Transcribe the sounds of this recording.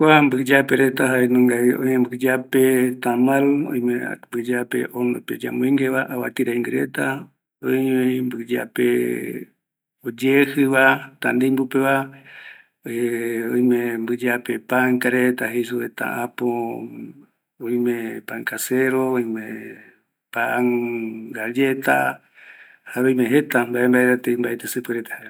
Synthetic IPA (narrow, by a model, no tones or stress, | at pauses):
kʷambɨd͡ʒapeɾet̪aɦaenõŋɡaiõɲembɨd͡ʒapet̪amalõ̰ĩj̃membɨd͡ʒapḛʔonoped͡ʒa̰mueŋɡeβaʔawa̰t̪iɾaŋɡeɾet̪a | oembɨd͡ʒa̰pḛ | od͡ʒehɨβat̪and̪embupeβa | eõjmẽmbɨd͡ʒapepaŋkaɾet̪aɦes̬uet̪a̰ʔapo | oĩmẽpaŋkaseɾooĩmẽ | paŋɡad͡ʒet̪a̰ | haɾojmẽɦet̪ambaʔembaet̪at̪embaʔet̪ɨsɨpɨɾet̪ḁhae